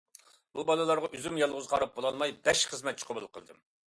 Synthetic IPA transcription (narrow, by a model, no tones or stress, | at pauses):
bubɑlˠɨlˠɑɾʁɑʔyzymjɑlˠʁʊzqʰɑɾɑp̚bolˠɑlˠmɑjbɛʃχəzmɛt̪̚t͡ʃʰi̥qʰəbulˠːqʰəlˠɨ̰d̪ɨ̰m